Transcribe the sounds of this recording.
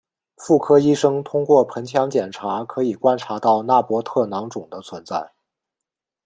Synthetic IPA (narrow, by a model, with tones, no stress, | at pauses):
fu˥˩kʰɤ˥i˥ʂɤ˥ŋt̪ʰʊ˥ŋkwɔ˥˩pʰə˧˥nt͡ɕʰjɑ˧˥ŋt͡ɕjɛ˨˩nʈ͡ʂʰa˧˥kʰɤ˧˥i˨˩kwa˥nʈ͡ʂʰa˧˥t̪ɑ˥˩ʊna˥˩pwɔ˧˥t̪ʰɤ˥˩nɑ˧˥ŋʈ͡ʂʊ˨˩ŋd̪ə˦t͡sʰwə˧˥nt͡sa̰˥˩ɪ